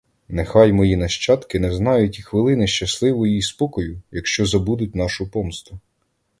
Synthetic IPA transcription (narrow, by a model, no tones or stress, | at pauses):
nexɑjmɔjinɐʃt͡ʃɑt̪kɪnɛznɑjʊtʲixʋɪlˠɪnɪʃt͡ʃɐslˠɪʋɔjiispɔkɔjʊjɐkʃt͡ʃɔzɐbud̪ʊtʲnɑʃʊpɔmst̪ʊ